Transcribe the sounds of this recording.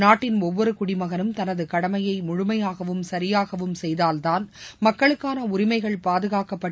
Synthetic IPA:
naːʈːɪnɔʋːɔɾɯkʊɽɪmɐɣɐnɯmt̪ɐnɐðɯkɐɽɐmɐjɐɪmʊɻʊmɐjaːɣɐʋɯmsɐɾɪjaːɣɐʋɯmsɛjðaːlt̪aːnmɐkːɐɭɯkːaːnɐʊɾɪmɐɪɣɐɭpaːðɯɣaːkɐpːɐʈː

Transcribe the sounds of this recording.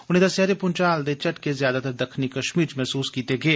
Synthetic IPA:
ʊnɦẽd̪ɐsjaːd̪epʊnt͡ʃaːld̪et͡ʃɐʈkezjaːd̪at̪ɐɾd̪ɐkʰnikɐʃmiːɾt͡ʃmɛɦsuːskiːt̪eɡeː

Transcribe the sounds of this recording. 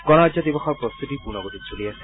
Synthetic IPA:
kɔnɔd͡ʑad̪ibɔxʰɔɾpɾɔst̪ʰut̪ipunɔɡot̪it͡ɕʰolijasʰe

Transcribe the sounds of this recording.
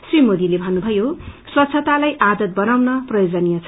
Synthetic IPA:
srimod̪ilebʱʌnːubʱʌjoswʌt̪sʰʌt̪alajʔad̪ʌt̪̚bʌnawnʌprʌjod͡zʌnijʌt͡sʰ

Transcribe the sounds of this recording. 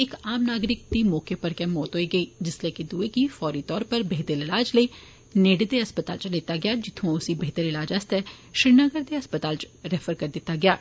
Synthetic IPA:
ɪkaːmnaːɡɾɪk̚d̪imɔːkepɐɾkɛmɔːt̪ɦoːiɡɐiːd͡ʒɪsleːkid̪uekifɔːɾit̪ɔːɾpɐɾbeɦt̪əɾɪlaːd͡ʒleː | neːɖd̪eɐspət̪aːlt͡ʃleːt̪aɡɪjaːd͡ʒɪt̪ʰõʊsibeɦt̪əɾɪlaːd͡ʒɐst̪ɛʃɾɪɾnəɡəɾd̪eɐspət̪aːlt͡ʃɾɛːfəɾkɐɾd̪ɪt̪ːaɡɪjaː

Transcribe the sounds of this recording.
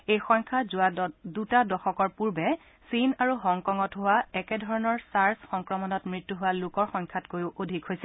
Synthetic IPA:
ejxɔŋkʰazadutadɔxɔkɔɹpuɹbɛ | sinaɹuɦɔŋkɔŋɔtɦʊwaɛkɛdʱɔɹɔnɔɹsaɹsxɔŋkɹɔmɔnɔtmɹitːuɦʊwalʊkɔɹxɔŋkʰatkojʊʔodʱikɦojsɛ

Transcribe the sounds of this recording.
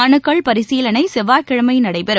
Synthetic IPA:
ɐnɯkːɐɭpɐɾɪsiːlɐnɐɪsɛʋaːɾkɪɻɐmɐɪnɐɽɐɪpɐɾɯ

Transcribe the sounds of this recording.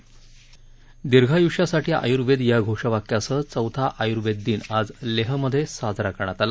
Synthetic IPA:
d̪iɾɡʱajuʂasaʈʰiːa̰juɾʋed̪jaɡʱoʂəʋakjasəːt͡səwt̪ʰaʔajuɾʋed̪ːiːnad͡zleɦəməd̪ʱːjesad͡zʱɾakəɳ̃at̪ala

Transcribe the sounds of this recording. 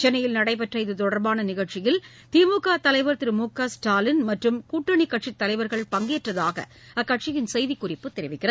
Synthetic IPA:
t͡ʃɛnːɐjɪlnɐɽɐɪp̬ɛʈrɐɪðɯt̪ɔɽɐɾbaːnɐnɪɣɐɭt͡ʃɪjɪl | t̪iːmuːkaːt̪ɐlɐɪʋɐɾt̪ɪɾɯmuːkaːsʈaːlɪnmɐʈrɯmkuːʈːɐɳikːɐʈʂɪt̪ːɐlɐɪʋɐɾɣɐɭpɐŋɡeːʈrɐðaːɣɐ̰ | ɐkːɐʈt͡ʃɪjɪnsɛjðikːʊrɪpːɯt̪ːɪɾɪʋɪkːɪrɐð

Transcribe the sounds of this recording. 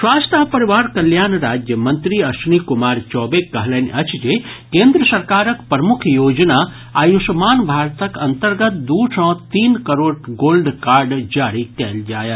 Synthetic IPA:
swaːst̪ʰapɐɾiʋaːɾkɐljaːnɾaːd͡ʒjəmə̃nt̪ɾiɐʃnikumaːɾt͡ʃɔːbekːɐɦlenʲɐt͡ʃʰd͡ʒekẽːnd̪ɾəsɐɾkaːɾəkpɾɐmʊkʰjoːd͡ʒnaː | aːjusmaːnbʱaːɾt̪əkɐnt̪əɾɡət̪̚d̪uːʈʰɔ̃t̪iːnkəɾoːɽɡoːlɖkaːɾɖd͡ʒaːɾikɛːld͡ʒaːjət̪

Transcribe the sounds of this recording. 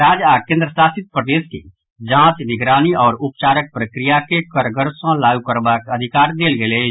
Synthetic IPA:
ɾaːd͡ʒakẽːnd̪ɾəsaːsɪt̪̚pɾəd̪eːskḛ | d͡ʒãːt͡ʃnɪɡɾaːniɔːɾʊp̚t͡ʃaːɾək̚pɾəkɾɪjakekəɾɡəɾsãlaːukəɾbakəd̪ʱɪkaːɾd̪eːlɡele

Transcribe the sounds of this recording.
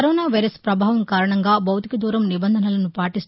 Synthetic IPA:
ɐɾɔːnaːʋɐjɾɐspɾɐbʱaːʋɐmkaːɾɐɳɐŋɡaːbʱɐwt̪ikɐd̪uːɾɐmnibɐnd̪ʱɐnɐlɐnupaːʈis

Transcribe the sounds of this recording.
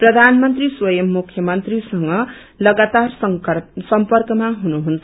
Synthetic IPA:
prʌd̪ʱanmʌnt̪riswʌjʌmːukʰjʌmʌnt̪risʌŋɡʌ | lʌɡat̪arssʌmpʌrkʌmaɦunuɦunt͡sʰʌ

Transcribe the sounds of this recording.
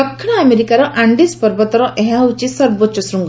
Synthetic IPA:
ɔkʰːiɳ̃ɔameɾikaɾɔʔaɳɖispɔɾbɔt̪ɔɾɔʔeɦaut͡ʃisɐɾbot͡ʃɔsɾuŋɡ

